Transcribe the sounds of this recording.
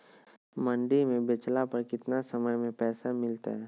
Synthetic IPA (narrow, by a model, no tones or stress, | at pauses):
mɐ̃ɳɖimẽbɪt͡ʃlapɐɾkɪt̪nasɐməjmẽpɛːsamɪlt̪a̰ɦɛː